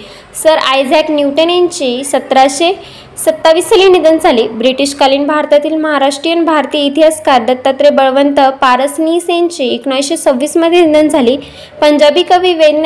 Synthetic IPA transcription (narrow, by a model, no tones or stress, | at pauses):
səɾajd͡zaknjuʈənaɲt͡ɕiːsət̪ɾaɕe | sət̪ːaʋiːst̪əliːnid̪ənd͡zʱaliːbɾiʈiɕkaliːnbʱaɾt̪at̪iːlməɦaɾaʂʈɾijənbʱaɾt̪ijəit̪ijaskaɾd̪ət̪ːat̪ɾebəɭʋənt̪əpaɾəsnisaɲt͡ɕiːekɳajɕet͡səʋːiːsməd̪ʱːjenid̪ənd͡zʱaliː | pəɲd͡ʑabiːkəʋiːʋed̪n